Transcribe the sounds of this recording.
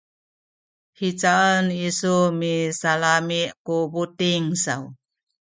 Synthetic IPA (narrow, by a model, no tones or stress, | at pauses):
hit͡saənisumisalamiʔkubutiŋsa̰w